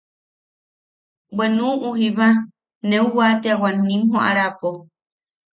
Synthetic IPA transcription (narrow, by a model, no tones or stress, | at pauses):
bwenũuɦiβa | nẽuwat̪eawanĩmɦoʔa̰ɾapo